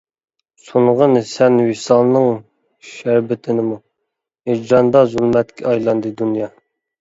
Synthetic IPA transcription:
suɴʁənsɛnwisɑlˠnɨŋ | ʃæɾbɪt̪ʰɪnɪmu | hed͡ʒɑnd̪ɑzulˠmɛt̪kʲʰɛ̰ɑjlˠɑnd̪ɨd̪unjɑ

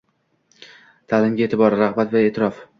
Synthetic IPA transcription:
t̪ʰalɪmɡʲae̞ːt̪ʰɪbɒɾɾaʁbat̪vaet̪ʰɪɾɒf

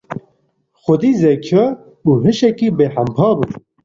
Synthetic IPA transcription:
xʊd̪iːzɛkʰɐ | uːɦɨʃɛkiːbeːħæmpʰɑːbu

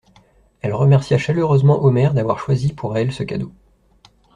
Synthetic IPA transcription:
ɛlʁəmɛʁsjaʃaløʁøzmɑ̃ʔomɛʁd̪avwaʁʃwazipʰuʁɛlsəkʲad̪o

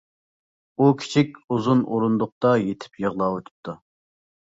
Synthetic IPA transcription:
ukʲʰi̥t͡ʃʰikʲuzunʔoɾund̪ʊq̚t̪ɑjet̪ʰɪ̥pjəʁlˠɑwot̪ʰu̥p̚t̪ʰu

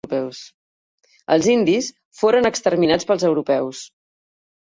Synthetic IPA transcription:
pɛws | ə̰lˠzind̪is | foɾənəkst̪ərminat͡spəlˠzəwɾupɛws

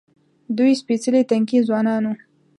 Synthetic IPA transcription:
d̪ujspit͡səlit̪aŋkizwɑnɑnu

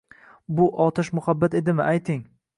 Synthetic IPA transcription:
bʊʔɒt̪ʰaʃmʊhabːat̪e̞d̪ɪmɪʔajt̪ʰɪŋ

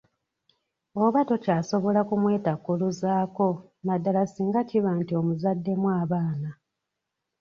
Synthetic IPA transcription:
oβato̞caːso̞βo̞lakumwe̞ːtakːuluzaːko̞ | madːalasiːŋɡaciβantio̞muzadːe̞mwaːβaːna

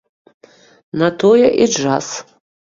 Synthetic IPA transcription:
nat̪ʰojɛʔid͡ʒas

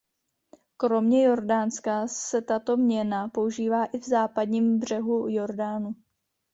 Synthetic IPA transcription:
kɾo̞mɲɛjo̞ɾdaːnskasɛt̪at̪o̞mɲɛnapo̞uʒiːvaːʔɪvzaːpadɲiːmbr̝ɛɦujo̞ɾdaːnu

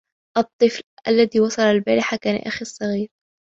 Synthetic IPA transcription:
ʔɑt̪ˤːɨflʔalːaðiːwɑsˤɑlalbaːɾɪħakaːna̰ʔaxisˤːɑɣiːɾ

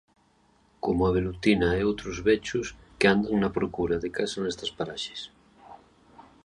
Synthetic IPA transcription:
komoaβ̞elut̪inaejowt̪ɾozβet͡ʃuskeand̪aŋnapɾokuɾaðekasanest̪aspaɾaʃe̥s

